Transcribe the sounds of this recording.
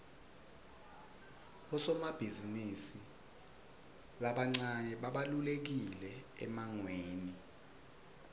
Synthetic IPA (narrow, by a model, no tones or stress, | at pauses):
ɔsɔmab̥ʱizinisi | laɓaŋ͡ǀaɲɛɓaɓalulek̬ilɛɛ̰maŋweːni